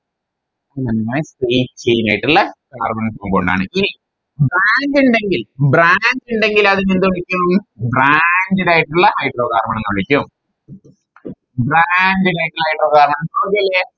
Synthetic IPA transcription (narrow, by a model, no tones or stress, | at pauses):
ɐinɐnmasiːt͡ɕejima̰ːjiʈːuɭːɐka̰ːrmɐɳɐŋpomboɳɖa̰ːɳɨ̰ʔini | braːnduɳɖe̞ŋɡilbraːnduɳɖe̞ŋɡilɐðinend̪uɭikʲːumbɾandiɾaːjiʈːuɭːɐhɐjɖro̞ːkaːrmɐɳɐŋːɐɐɭikʲːum | bɾandiɾaːjiʈːulhɐjiʈroːkaːrmɐɳɐmpoːkːiɐlːe